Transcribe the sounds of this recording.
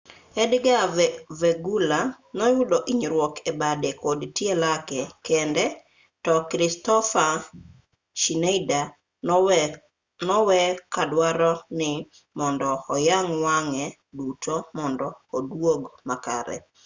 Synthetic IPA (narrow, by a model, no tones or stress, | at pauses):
ɛdɡavɛɡula | nɔjʊdɔʔiɲɾwɔkʰebadɛkodtjelakɛkɛndɛ | tɔkɾɪstɔfa | ʃinejda | nɔwɛkadwaɾɔnɪ | mɔndɔːjaŋwaŋɛ | dutʰomɔndɔodwoɡmaka̰ɾɛ̰